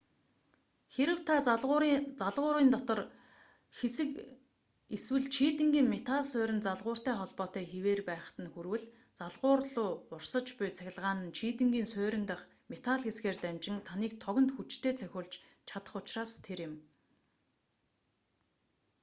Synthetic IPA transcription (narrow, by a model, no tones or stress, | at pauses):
xeɾɘ̆wt̪ʰaʊt͡saɮʁʊːɾiːnt̪ɔt̪ɞ̆r | xesɘ̆k | iswɘ̆ɮt͡ɕʰiːt̪ɘ̆ŋɡʲiːŋmet̪ʰaɮsʊːɾʲɪ̆nt͡saɮʁʊːr̥t̪æːχɔɮpɔːt̪æːxiweːrpæːχ̆t̪ə̆nxuɾwɘ̆ɮ | t͡saɮʁʊːrɮʊːʊrsə̆t͡ɕpʊjt͡sʰæxʲɪ̆ɮʁaːnə̆nt͡ɕʰiːt̪ɘ̆ŋɡiːnsʊːɾʲɪ̆nt̪aχ | met̪ʰaɮxesɡeːrt̪æmt͡ɕɪ̆nt̪ʰaniːk̚t̪ʰɔɣʲɞ̆nt̪xut͡ɕt̪ʰeːt͡sʰæxʲʊːɮt͡ɕ | t͡ɕʰat̪ə̆χʊt͡ɕraːst̪ʰeɾjɪ̆m